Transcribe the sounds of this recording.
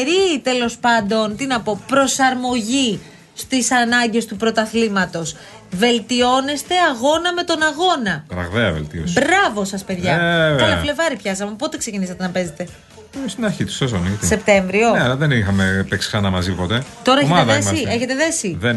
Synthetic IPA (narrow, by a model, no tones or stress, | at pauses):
ɾit̪e̞lo̞spɐnd̪o̞nt̪inɐpo̞pɾo̞sɐɾmo̞ʝi | st̪isɐnɐɲɟe̞st̪upɾo̞t̪ɐθlimɐt̪o̞s | ve̞lt̪io̞ne̞st̪e̞ɐɣo̞nɐme̞t̪o̞nɐɣo̞nɐkɾɐ̰ɣðeɐvḛlt̪io̰sbɾɐvo̞sɐspe̞ðʝɐɐlɐfle̞vɐɾipçɐs̬ɐmepo̞t̪e̞kse̞cinisɐt̪e̞nɐpe̞ze̞t̪e̞ | st̪inɐɾçit̪u̥sesonit̪ise̞p̚t̪e̞ɱvɾioneɐlɐðenixɐmepeksi̥ksɐnɐmɐzipo̞t̪et̪o̞ɾɐeçeðeðemsie̞çe̞t̪e̞ðe̞siðe